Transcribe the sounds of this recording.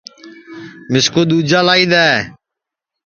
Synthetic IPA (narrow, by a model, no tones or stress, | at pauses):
mɪskoːɗ̪uːd͡ʒaːlaːiːɗ̪aːeː